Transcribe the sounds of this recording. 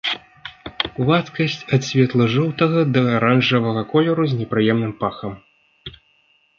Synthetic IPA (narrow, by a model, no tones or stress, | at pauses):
vat̪kɐsʲt͡sʲɐt̪sʲvʲɛt̪lˠɐʐɔwt̪ɐɣɐd̪ɐaɾanʐɐvɐɣɐkɔlʲɛɾuzʲnʲɛpɾɨjɛmnɨmpaxɐm